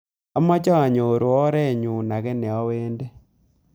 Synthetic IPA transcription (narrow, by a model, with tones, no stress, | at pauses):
a˦ma˦t͡ʃa˦a˨ɲo˨ɾwɔ˦ɾɛ˦˨ɲu˨na˨kɛ˦nɛ˨ɔ˦weː˦nde˦